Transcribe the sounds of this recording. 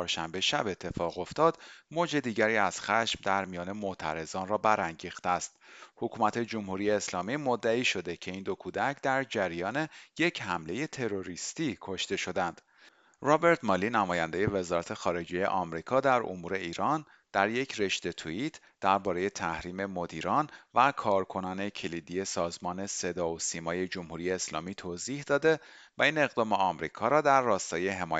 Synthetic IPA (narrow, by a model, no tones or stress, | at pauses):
ɾʃæmbe̞ʃæbe̞t̪ʰːe̞fɒːɣo̞ft̪ɒːd̪̥mod͡ʒe̞d̪iːɟæɾiːæz̥xæʃmd̪æɾmijɒːne̞mot̪ʰæ̰ɾe̞zɒːnrɒːbæɾæŋɟiːxt̪eæst̪hokʰuːmæt̪ʰe̞d͡ʒo̞mhuɾiːje̞ːslɒːmiːmod̪ːæiːʃo̞d̪e̞cʰe̞iːnd̪o̞kʰuːd̪æcʰd̪æɾd͡ʒæɾijɒːneje̞cʰhæmle̞je̞t̪ʰe̞ɾo̞ɾist̪iːkʰo̞ʃt̪e̞ʃo̞d̪ænd̪̥ | rɒːbe̞ɾt̪ʰmɒːliːnæmɒːjænd̪e̞je̞ve̞zɒːɾæt̪ʰe̞xɒːɾe̞d͡ʒejḛʔɒmɾiːkʰɒːd̪æɾʔo̰muːɾe̞iːɾɒːn | d̪̥æɾje̞cʰre̞ʃt̪e̞t̪ʰuit̪ʰ | d̪̥æɾbɒːɾe̞je̞t̪ʰæhɾiːme̞mo̞d̪iːɾɒːnvækʰɒːɾkʰo̞nɒːne̞cʰelid̪ije̞sɒːzmɒːne̞se̞d̪ɒːosiːmɒːje̞d͡ʒo̞mhuɾije̞ːslɒ̰ːmiːt̪ʰoːziːhd̪ɒːd̪e̞væiːne̞ɣd̪ɒːmeɒmɾiːkʰɒːɾɒːd̪æɾːɒːst̪ɒːjeɦemɒːj